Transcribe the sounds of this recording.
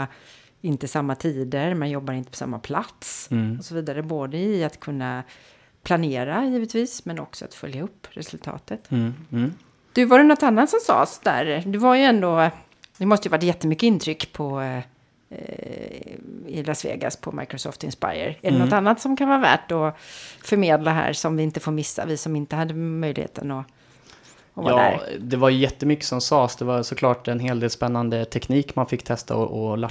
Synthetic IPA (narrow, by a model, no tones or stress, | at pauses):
ɪnt̪əsamːat̪ʰiːd̪əɾmɛnjɔbːaɾɪnt̪ə̥pʰɔ̥sa̰mːa̰pʰlat̪sɔsɔviːd̪aɾəboːd̪əɪat̪kʰɵnːa | pʰlaneːɾajiːvət̪viːsmɛnɔ̰ksɔa̰t̪fœ̰ljaɵpːɾɛsɵlt̪ʰɑ̰ːt̪ət̪ | d̪̥ɵvaɾɛnɔt̪ːanːat̪sɔmsɑ̰ːsd̪æ̰ɾd̪ɵvaɾjɵɛnd̪o | d̪ɛmɔst̪əjvaʈ̬ːjɛt̪ːəmʏkːəɪnt̪ʰɾʏkːpʰɔ | ɪlasvḛːɡa̰spʰɔma̰jkɾɔsɔ̰ːft̪ɪnspa̰jə̰ɾɛɛnɔt̪anːat̪sɔmkʰanvɑːɾavæ̰ːʈɔfœɾmeːd̪laɦæ̰ːɾsɔmvɪɪnt̪əfoːɾmɪsːa̰vɪsɔmɪnt̪əhad̪ːəmœjlɪ̰hḛːt̪ə̰nɔ | ɔva̰æɾd̪ɛvaɾjɵjɛt̪ːəmʏkːə̥sɔmsɑːsd̪ɛvasɔkʰlɑːʈɛnɦeːld̪eːlspɛnːand̪ət̪ʰɛkniːkmanfɪkːt̪ʰɛst̪a̰ɔʔɔla